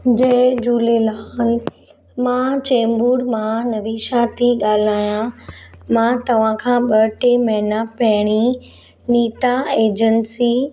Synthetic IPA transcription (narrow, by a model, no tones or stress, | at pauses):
d͡ʑɐ̃ɦd͡ʑuːlelal | mãt͡ɕẽːmbuːɽmãnɐʋiːʃat̪ʰiɠaːl̤aːjãmãːt̪ɐʋ̤ãkʰãːɓɐʈemɐɦɪnapɐɦɪɽ̃i | niːt̪aeːd͡ʑənsi